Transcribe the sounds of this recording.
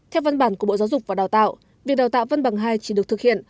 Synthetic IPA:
t̪ʰɛ˧wva˧nɓaː˧˩nkəɓo̰˧˨zaː˨˦wzʊ˨˩k͡p̚vaː˨˩ɗaː˨˩wt̪a̰ː˧˨w | vi˨˩ək̚ɗa˨˩wt̪a̰ː˧˨wvə˧nɓa˨˩ŋɦaː˧jt͡ɕi̥˧˩ɗɨ˨˩ək̚t̪ɨ˨˩hḭ˧˨ən

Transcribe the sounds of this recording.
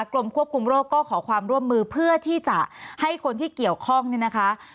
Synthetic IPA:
klo˧mkʰu˥˩əp̚kʰu˧mɾoː˥˩kːɔː˥˩kʰɔː˩˦kʰwaː˧mɾu˥˩əmːɯː˧pʰɯ˥˩ɐt̪ʰiː˥˩t͡ɕa˨˩ʔha˥˩jkʰo˧nt̪ʰiː˥˩ki˨˩əwkʰɔ˥˩ŋniː˥˩na˦˥kʰa˦˥

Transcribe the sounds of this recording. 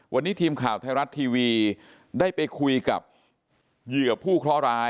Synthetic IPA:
wa˧nːiː˦˥t̪ʰiː˧mkʰaː˨˩wt̪ʰaː˧jɾa˦˥t̪ʰːiː˧wiː˧ | daː˥˩jpa˧jkʰu˧jka̰˨˩p̚ | jɯ˨˩əpʰuː˥˩kʰɾɔ˦˥ɾaː˦˥

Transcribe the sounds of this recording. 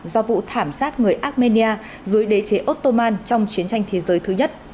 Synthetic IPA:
zɔ˧vṵ˧˨t̪ʰaː˧˩msaː˦˥t̚ŋɨ˨˩əjʔaː˦˥t̚me˧ni˧aː˧ | zu˨˦jɗe˨˦t͡ɕe˨˦ʔo˦˥t̚t̪o˧maː˧nt͡ɕɔ˧wŋ͡mt͡ɕi˨˦ənt͡ɕa˧jŋ̟t̪ʰe˨˦zəː˨˦jt̪ʰɨ˨˦ɲə˦˥t̚

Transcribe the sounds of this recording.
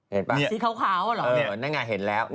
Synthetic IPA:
he˨˩˦npaː˧siː˦˥kʰa˦˥˩wkʰaː˦˥wa˧lɔ˨ʔːnaː˦˥˩ŋaː˧˩ɦe˨˩˦nlɛː˦˥wn

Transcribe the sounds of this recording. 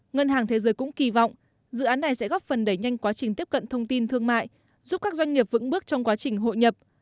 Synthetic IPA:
ŋə˧nɦaː˨˩ŋt̪ʰe˨˦zəː˨˦jkʊ̰˧˥ŋ͡mki˨˩vɔ̰˧˨wŋ͡m | zɨ̰˧˨ʔaː˨˦nːa˨˩jsɛ̰˧˥ɣɔ˦˥p̚fə˨˩nɗə˧˩jɲa˧jŋ̟kwaː˨˦t͡ɕï̟˨˩t̪i˦˥əp̚kə̰˧˨nt̪ʰə˧wŋ͡mt̪i˧nt̪ʰɨ˧əŋma̰ː˧˨j | zu˦˥p̚kaː˦˥k̚zwa˧jŋ̟ŋi˨˩əp̚vɨ̰˧˥ŋɓɨ˦˥ək̚t͡ɕɔ˧wŋ͡mkwaː˨˦t͡ɕï˨˩ŋ̟ɦo̰˧˨jɲə˨˩p̚

